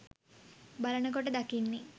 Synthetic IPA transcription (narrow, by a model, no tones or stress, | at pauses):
balənəkoʈ̬əd̪akinːi